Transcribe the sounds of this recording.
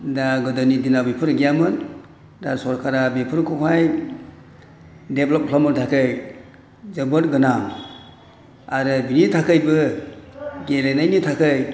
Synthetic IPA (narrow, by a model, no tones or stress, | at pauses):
daɡɯdanidinabipʰɯɾɡijamɯn | dasɔɾkʰaɾabepʰɯɾkʰɔkʰaj | deblɔp̚kʰlamɯntʰakʰɯj | zɯbɯtɡɯnam | aɾɯbinitʰakʰɯjbɯ | ɡelejnajnitʰakʰɯj